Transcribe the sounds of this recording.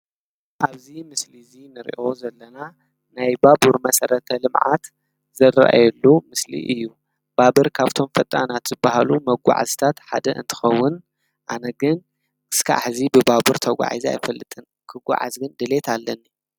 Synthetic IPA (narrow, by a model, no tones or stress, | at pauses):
ʔaβzimɨslizinɨɾḭʔo̞zɐlːɐna | najbabuɾmɐsɐɾɐt̪ʰɐlɨmʕa̰t̪ | zɐra̰ʔa̰jɛlːumɨslḭʔɨjːu | b̥abɨɾkʰaβt̪ʰo̞mfɐt̪ʼanat̪z̥ɨbːahalumɐɡʷa̰ʕa̰zi̥t̪ʰat̪ħa̰d̪ɐʔɨ̰nt̪ʰɨ̥xɐwːʊn | ʔanɐɡɨn | ɨskʰa̰ħzibɨbabuɾt̪ʰɐɡʷa̰ʕa̰zia̰jfɐlːɨt̪ʼɨn | kʰɨɡʷa̰ʕa̰zɡɨnd̪ɨle̞t̪ʰalːɐnːi